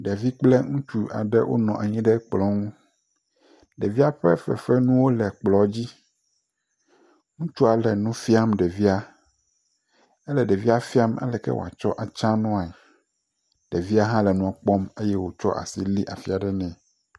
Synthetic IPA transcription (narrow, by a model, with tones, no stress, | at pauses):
ɖɛ˨vi˦k͡plɛ˦ŋũ˦t͡ʃu˦a̰˨ɖɛ˦wʔo̰˦nɔ̃˨ʔa˨ɲĩ˦ɖɛ˦k͡plɔ˦ŋũ˦ | ɖɛ˨vi˦a˦ɸɛ̰˦fɛ̰˨fɛ˦nũ˦wo˦lɛ˨k͡plɔ˨d͡ʑi˦ | ŋũ˦t͡ʃu˦a˨lɛ˨nũ˦fi˦a˦mɖɛ˨vi˦a˦ | ɛ˦lɛ˨ɖɛ˨vi˦a˦fi˦a˦ma̰˦lɛ˨kɛ̰˦wo̰˨a̰˨t͡ʃɔ˦ʔa˨t͡ʃã˦nɔ̃˦a˨ɛ˨ | ɖ̥ɛ˨vi˦a˦ɦã˦lɛ˨nũ˦a˨k͡pɔ˦me˦jɛ˦wo˦t͡ʃɔ̰˦ʔa̰˨si˦li˦ʔa˨fi˦a˨ɖɛ˦nɛ̃˨